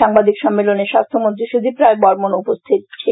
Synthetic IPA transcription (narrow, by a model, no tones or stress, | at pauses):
aŋbad̪ʱikʃɔmːeloneʃast̪ʰomont̪ɾiʃud̪ʱipɾaebɔɾmonupost̪ʰit̪̚t͡ɕʰe